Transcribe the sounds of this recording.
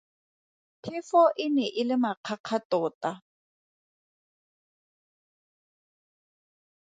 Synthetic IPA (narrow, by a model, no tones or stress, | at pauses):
pʰɪfɔʔɪnɛʔɪlɪmaq͡χʰaq͡χʰatɔːta